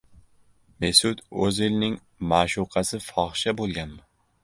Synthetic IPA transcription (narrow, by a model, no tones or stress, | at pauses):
mesʊt̪ɵzelnɪŋ | maʃuqʰɑsɪfɒχʃabolˠɡʲanmɪ